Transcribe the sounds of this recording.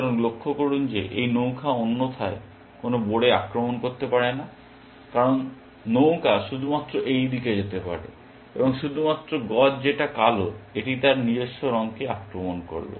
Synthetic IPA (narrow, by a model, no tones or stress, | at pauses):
kaɾonlokʰːokoɽund͡ʑeʔḛjnowkʰaonːot̪ʰae | konoboɽeakɾomonkoɾt̪epaɽena | kaɾonː | owkʰaʃud̪ʱumat̪ːɾoʔejd̪iked͡ʑet̪epa̰ɽḛ | ebɔŋʃud̪ʱumat̪ːɾoɡɔtd͡ʑeʈakaloeʈit̪aɾnid͡ʑoʃːoɾɔŋkeakɾomonko̰ɾlo̰